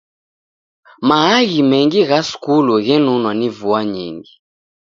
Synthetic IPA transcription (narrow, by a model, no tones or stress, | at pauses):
maaɣimɛŋɡiɣaskuluɣɛnunwanivuaɲḭŋɡi